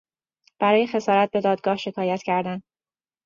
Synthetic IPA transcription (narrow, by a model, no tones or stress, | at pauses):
b̥æɾɒːje̞xe̞sɒːɾæt̪̚be̞d̪ɒːd̪̚ɡɒːhʃe̞kʰɒːjæt̪cʰæɾd̪æn